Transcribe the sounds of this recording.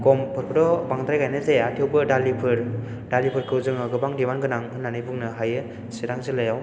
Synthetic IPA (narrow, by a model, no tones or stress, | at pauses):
kɔmpʰɯɾpʰɯɾdɔbaŋd̪ɾajɡajnɯzeatʰiwbɯdalipʰɯɾ | dalipʰɯɾkʰɯwzɯŋɯɡɯbaŋdiwanɡɯnaŋɯnːanɯjbɯŋnɯɦajɯ | siɾaŋzɯlajaw